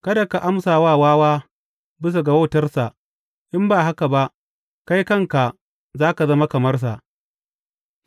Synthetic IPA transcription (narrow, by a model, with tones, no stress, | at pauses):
kɐ˦da˨ka˨ʔa˦msaː˨waː˦˨waː˦waː˦ | bɪ˦s̬a˨ɡa˨woː˦˨tɐ˦rsa˨ʔ | ʔɪ˦mbaː˨ɦa˦ka˨ba˦ʔ | ka˦jkɐ˦ŋka˨ | zaː˦ka˨zɐ˦ma˦kɐ˨mɐ˦rs̬a˨ʔ